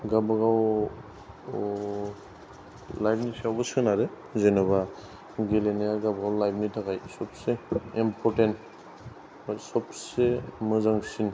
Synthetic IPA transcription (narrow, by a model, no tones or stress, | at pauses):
ɡabaɡaw | lajbnisiawbɯsɯnaɾɯ | zenaβa | ɡelenajaɡabaɡawlajp̚nitʰakajsɔp̚seimpʰɔɾtent | batsɔp̚semɯzaŋsin